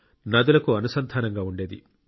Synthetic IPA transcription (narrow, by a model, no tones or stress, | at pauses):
nɐd̪ulɐkuɐnusɐnt̪ʰaːnɐŋɡaːuɳɖe̞ːd̪ḭ